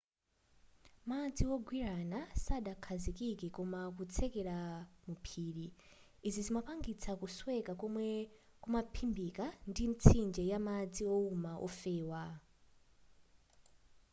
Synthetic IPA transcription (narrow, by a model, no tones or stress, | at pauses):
mad͡ziwɔɡwiɾanasaɗakʰazikikɛkɔmak̬ut͡sʰɛkɛɾamupʰiːɺiː | zizimapaŋɡit͡sʰakuswɛkakɔmwɛ | kumapʰimbikandim̩t͡sʰind͡ʒɛjamad͡ziɔumaʔɔ̰fɛːwa